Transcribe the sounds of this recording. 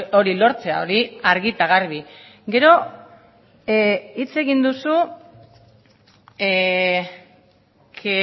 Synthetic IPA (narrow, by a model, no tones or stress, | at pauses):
oɾilo̞ɾt͡se̞a̰o̞ɾiaɾɣit̪aɣaɾβ̞i | ɡe̞ɾo̞ | it͡se̞ɣind̪usu | kʰe